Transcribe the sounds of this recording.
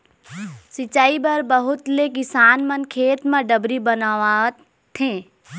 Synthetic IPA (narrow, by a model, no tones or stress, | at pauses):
sɪt͡ʃaːibɐɾbəɦʊt̪lekɪsaːnmənkʰeːt̪mãɖəbɾibənaa | t̪ʰẽː